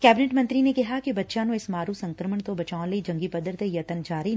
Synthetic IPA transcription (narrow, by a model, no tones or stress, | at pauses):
kɛːbɪneʈmɐ̃nt̪ɾinekɐɦakibɐtːʃãnũɪsmaːɾusɐ̃ŋkɾəməɳt̪obɐt͡ʃaːõnled͡ʒɐ̃ŋɡipɐd̪əɾt̪ejɐt̪ənd͡ʒaːɾi